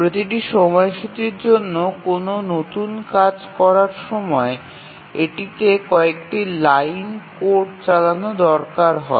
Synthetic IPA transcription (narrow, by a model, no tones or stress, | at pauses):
pɾot̪iʈ̬iʃɔmɔeʃut̪ɾiɾd͡ʑonːokononot̪unkad͡ʑkɔɾaɾʃɔmɔe | eʈit̪ekɔekʈilajnkoɾɖt͡ɕalanod̪ɔɾkaɾɦɔ̰e